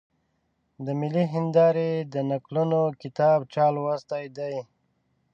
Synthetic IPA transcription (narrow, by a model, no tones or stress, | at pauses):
d̪əmiliɦɪnd̪ɑɾed̪ənaklunokit̪ɑːbt͡ʃaːlwast̪ajd̪aj